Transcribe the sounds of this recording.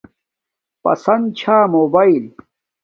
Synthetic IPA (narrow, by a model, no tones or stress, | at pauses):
pɐ̰sɐnd̪̚t͡ɕʰaːmoːbaːil